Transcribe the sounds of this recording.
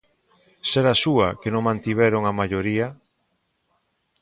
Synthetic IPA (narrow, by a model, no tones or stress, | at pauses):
seɾasuakenõŋmãnt̪iβ̞ɛɾoŋamaʎoɾiɐ